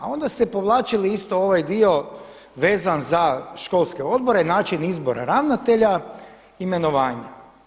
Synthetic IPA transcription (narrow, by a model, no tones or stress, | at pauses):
ao̞nd̪ast̪e̞po̞ʋlˠaːt͡ʃiliist̪o̞o̞ʋajd̪io̞ | ʋe̞ːzanzaʃko̞lˠskeo̞d̪̚bo̞ɾenaːt͡ʃinizbo̞ɾa̰ɾaʋnat̪e̞ʎa | ime̞no̞ʋaːɲa